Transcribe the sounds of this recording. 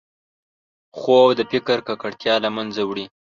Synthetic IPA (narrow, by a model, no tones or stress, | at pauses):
xowd̪əpɪkəɾkakaɽt̪jɑlamanzawɽi